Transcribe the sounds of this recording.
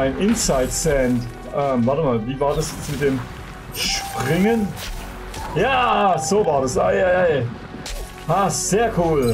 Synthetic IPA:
ʔaɪnʔɪnt͡saɪtsɛnt | ʔɛːmvaɐtəmaːlviːvaːɐdasjɛt͡smɪt̚d̥eːm | ʃpʁɪŋən | jaːz̥oːvaːɐdasʔa̰ɪaɪaɪ | haːz̥eːɐkʰuːl

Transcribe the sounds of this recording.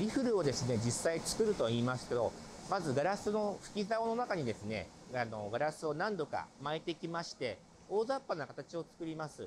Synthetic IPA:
ɾʲiɸɯ̟ɾɯ̟od̪e̞sɨne̞d͡ʑisːait͡sɨ̥kɯ̟ɾɯ̟t̪o̞iːmasɨ̥ke̞d̪o̞̰mazɨɡaɾasɨno̞ɸɯ̟̥kʲizao̞no̞nakaɲ̟id̪e̞sɨne̞̰ano̞ɡaɾasɨo̞nãnd̪o̞ka̰maet̪e̞kʲimaɕi̥t̪e̞ | o̞ːzaːpːanakat̪at͡ɕio̞t͡sɨ̥kɯ̟ɾʲimasɨ

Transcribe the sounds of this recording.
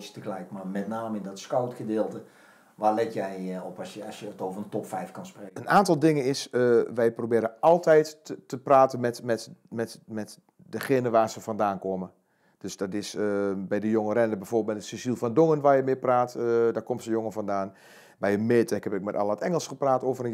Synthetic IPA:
ətəklɛjtmamɛtnaːməɪndɔtskawtxədɪːlˠtə | ʋalɛtjɛjɔpsəsjəətoːvərəntɔpfɛjfkanspreənaːntɔlˠdɪŋənɪsəʋɛjprobɪːɾəɔlˠtɛjtːəpraːtənmɛtmɛtmɛtmɛt | dəxeːnəʋaːrsəfɔndaːnkomə | d̥øsdɔtɪsəbɛjdəjoŋərɛndəbɛjfoːblˠt̚mɛtətsisilˠfɔndoŋənʋaːjəmɪpraːtdakomsəjoŋəfɔndaːn | bɛjəmeːtɛkhɛpɪk̚mɛta̰lˠətɛŋəlˠsxəpraːtoːvərə

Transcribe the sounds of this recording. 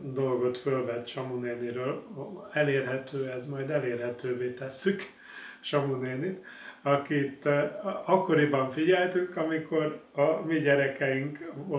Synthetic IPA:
d̪o̞lɡo̞t̪følvɛt̪ʃɒmuneːniɾøːlɛleːrɦɛt̪øːɛzmɒjd̪ɛleːrɦɛt̪øːveːt̪ɛsːyk | ʃɒmuneːnit̪ɒkit̪ɒkːo̞ɾibɒɱfiɟɛlt̪yŋkɒmikʰo̞rɒmiɟɛɾɛkɛjiŋko

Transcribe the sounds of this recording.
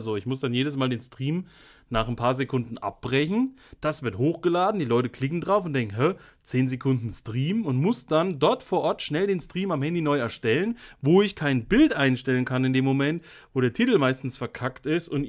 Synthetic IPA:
zoɪçmʊsd̥anjeːdəs̬maːldeːnstʁ̥iːm | naːχnpʰaːɐzekʰʊndn̩ʔa̰p̚b̥ʁɛçn̩d̥asv̥ɪɐthoːxɡ̥əlaːdn̩diːlɔʏtəkʰl̥ɪkŋ̩dʁaʊfʊntd̥ɛŋkŋ̩ɦɛt͡seːnzekʰʊndn̩stʁ̥iːmʊntmʊsd̥andɔɐtfoːɐʔɔɐtʃnɛldeːnstʁ̥iːmamhɛndiːnɔʏɛɐʃtɛlənvoːɪçkʰaɪnbɪltʔaɪnʃtɛlənkʰanɪndeːmːomɛnt | voːɾeːɐtʰitl̩maɪstn̩sfɛɐkʰaktɪstʊnt

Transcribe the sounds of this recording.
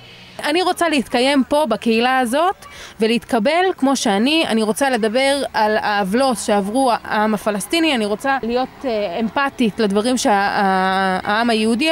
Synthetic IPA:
ʔaniʁo̞t͡saleit̪kaje̞mpo̞bakeilaːzo̞t̪veleit̪kabe̞lkmo̞ʃeania̰niʁo̞t͡sale̞d̪abe̞ʁalaːvlo̞tʃe̞avʁuaamafalast̪inianiʁo̞t͡salijo̞t̪empatitled̪vaʁimʃeaa̰amajeudi

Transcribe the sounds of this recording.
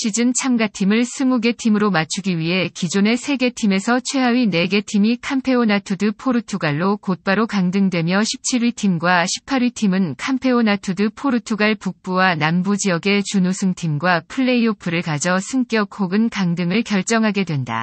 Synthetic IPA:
ɕʰid͡ʑɯnt͡ɕʰamɡatʰimɯɭsʰɯmuɡe̞tʰimɯɾomat͡ɕʰuɡiɥiɦe̞kid͡ʑone̞sʰe̞ɡe̞tʰime̞sʰʌt͡ɕʰwe̞ɦawɥine̞ɡe̞tʰimikʰampʰe̞onatʰudɯpʰoɾɯtʰuɡaɭːokot̚p͈aɾokaŋdɯŋdwe̞mjʌɕʰi̥p̚t͡ɕʰiɾɥitʰimɡwaɕʰi̥pʰaɾɥitʰimɯnkʰampʰe̞onatʰudɯpʰoɾɯtʰuɡaɭpuk̚p͈uwanambud͡ʑiʌɡe̞t͡ɕunusʰɯŋtʰimɡwapʰɯɭːe̞iopʰɯɾɯɭkad͡ʑʌsʰɯŋk͈jʌkʰoɡɯnkaŋdɯŋɯɭkjʌɭt͡ɕ͈ʌŋɦaɡe̞dwe̞nda̰

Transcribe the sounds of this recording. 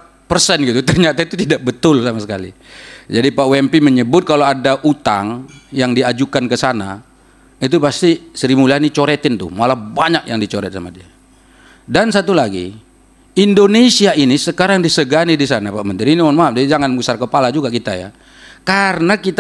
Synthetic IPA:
pərsɛnɡit̪ut̪ərɲat̪ait̪ut̪idaʔ̚bət̪ʊlsamasəka̰lḭd͡ʒadipaʔwɛmpiməɲəbʊt̪̚kaloadaʔut̪a̰ŋjaŋdiad͡ʒukankəsana̰ | it̪upast̪isəɾimulanit͡ʃoɾɛt̪ɪnt̪ʊ̰hmalahbaɲak̚jaŋdit͡ʃoɾɛ̰t̪̚samadia | dansat̪ulaɡḭ | indonesiaʔinisəkaɾaŋdisəɡanidisanapaʔmənt̪ɪɾinianmaɦam̚d͡ʒadid͡ʒaŋanbusarkəpalad͡ʒuɡakit̪aja̰ | karnakit̪

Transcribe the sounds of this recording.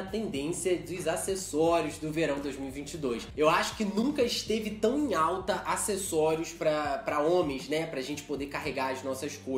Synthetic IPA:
ɐt̪ẽnd̪ẽsiɐd̪ʊzasesɔɾjʊzd̪ʊveɾɐ̃w̃d̪ojzmiuwivĩt͡ʃɪd̪ojsewaʃʊ̥kɪnũkɐɪʃt̪evɪt̪ɐ̃w̃ẽawt̪ɐʔasesɔɾiʊspɾɐpɾɐõmẽj̃znɛpɾɐʒẽnt͡ʃɪ̥pod̪ekaɦeɡaɐznɔsɐʃko

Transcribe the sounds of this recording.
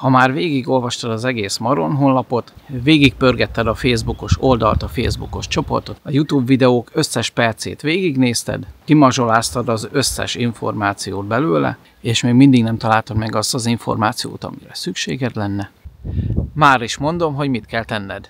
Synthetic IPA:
hɒmaːrveːɡiɡo̞lvɒʃt̪ɒd̪ɒzɛɡeːsmɒɾo̞nɦonlɒpo̞t̪veːɡik̚pørɡɛt̪ːɛd̪ɒfeːzbuko̞ʃo̞ld̪ɒlt̪ɒfeːzbuko̞ʃt͡ʃo̞po̞̰rt̪o̞t̪ɒjut̪juːbvid̪ɛoːkø̞sːɛʃpɛrt̪sḛːt̪ʋeːɡiɡneːst̪ɛ̰d̪kimɒʒo̞laːst̪ɒd̪ɒzø̞sːɛ̰ʃiɱfo̞̰rmaːt̪sijoːd̪̚bɛløːlɛ̰ | eːʃmeːɡmind̪iɡnɛmt̪ɒlaːlt̪ɒd̪mɛɡɒst̪ɒziɱfo̞̰rmaːt̪sijo̰ːt̪ɒ̰mḭɾɛsykʃḛːɡɛd̪lɛnːɛ | maːɾiʃmo̞nd̪o̞mɦo̞ɟmit̪kɛlt̪ɛnːɛd̪

